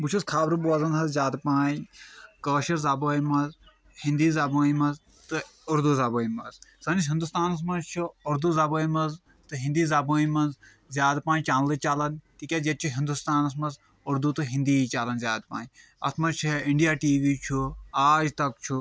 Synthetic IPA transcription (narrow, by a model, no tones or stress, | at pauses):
but͡ʃʰuskʰaːbɾɨbuɐzɐnɦɐzzʲjaːd̪paːjkəːʃɐɾzaːboːjmɐz | hĩnd̪iːzaːboːjmɐz | t̪ɨuɾd̪uzaːboːjimɐzsɐnisɦind̪ust̪aːnɐs̬mɐnzt͡ʃʰuʊɾd̪uzaːboːimɐz | t̪ɨɦĩnd̪iːzaːboːjmɐnz | zʲjaːd̪pãːt͡ʃaːnlɨt͡ʃaːlɐnt̪ikʲad͡ʒɐt̪̚t͡ʃʰuɦind̪ust̪aːnɐs̬mɐz | ʊɾd̪ut̪ɨɦĩnd̪iːt͡ʃaːlɐnzʲjaːd̪̚pa̰ːj | ɐ̰t̪ʰmɐzt͡ʃʰiiɳɖijaːʈiːʋiːt͡ʃʰuaːd͡ʒt̪ɐkt͡ʃʰu